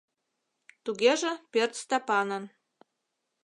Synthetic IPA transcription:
t̪uɣʲeʒĕpʲert͡st̪ɑpɑnɤ̆n

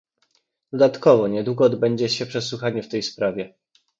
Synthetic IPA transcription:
d̪̥ɔd̪at̪kɔvɔɲɛd̪wuɡɔːd̪bɛɲd͡ʑɛɕɛpʂɛswuxaɲɛft̪ɛjspɾavʲɛ

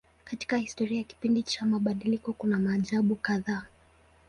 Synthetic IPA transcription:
kati̥kahistɔɾiajaki̥pindit͡ʃamaɓaɗilikɔkunamaːʄaɓukaðaː

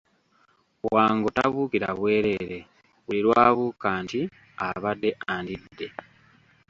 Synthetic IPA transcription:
waːŋɡotaβuːkiɾa̰βwe̞ːɾe̞ɾe̞ | βuliɾwaːβukaːnti | aβadːe̞ʔandidːe̞

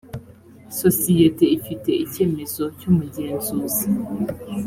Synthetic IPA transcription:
sosijeteifite̞ice̞ːmezocuːmuɟeːnzuːzi

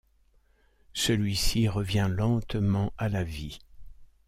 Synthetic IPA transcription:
səlɥisiʁəvjɛ̃lɑ̃t̪mɑ̃ʔalavi

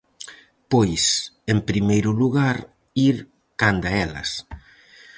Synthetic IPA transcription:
pojsempɾimejɾʊluɣaɾ | iɾ | kand̪aɛlɐ̰s

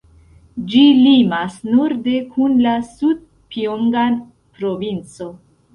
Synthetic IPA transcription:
d͡ʒilimasnuɾde̞kʰunlasud̚ | pioŋɡan | pɾo̞vint͡so̞

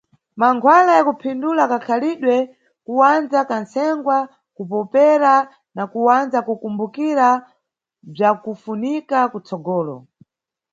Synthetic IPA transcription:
maŋkʰwalajakupʰindulakakʰaliɗwɛ | kuwand͡zakansɛŋɡwa | kupɔpɛɾa | nakuwand͡zakukumbukiɾa | b͡ʐakufunikakut͡sɔɡɔːlɔ̰

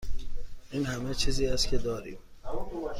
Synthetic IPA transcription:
ʔiːnhæmet͡ʃʰiːziːæst̪cʲʰed̪ɒːɾḭːm

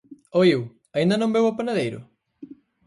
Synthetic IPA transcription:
oew | ɐaĩnd̪ɐnõmbewɐpanaðejɾʊ̰

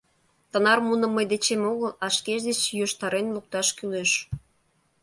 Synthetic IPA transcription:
t̪ə̆nɑrmunə̆mːəjd̪et͡ɕemoɣəlɑʃkeʃd̪et͡ɕjoʃt̪ɑɾenluk̚t̪ɑʃkyleʃ

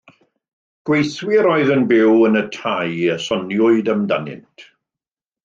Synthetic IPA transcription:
ɡ̥wejθwɪɾɔɨðənbɪwənətʰajəsɔnjʊɨdəmda̰nɪ̰ntʰ

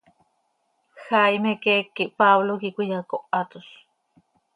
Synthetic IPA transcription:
xajmekekːiʔpaβlokikʷijakoʔat̪us

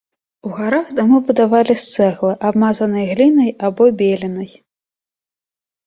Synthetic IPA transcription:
uɣaɾaɣd̪amɨbud̪avalʲist̪sɛɣlˠɨʔabmazɐnɨjɐɣlʲinɐjabɔbʲelʲinɐj

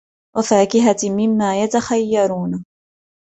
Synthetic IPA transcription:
wʔafaːkɪɦamɪmːaːjat̪axajːɑɾˤuːn

